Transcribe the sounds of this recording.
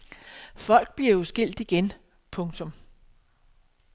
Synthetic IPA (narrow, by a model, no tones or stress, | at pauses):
fɒ̽l̰ɡ̥̚b̥liɐjosɡ̥e̝l̰d̥iɡ̥en | pʰɔ̽ŋt͡sʰɔ̽m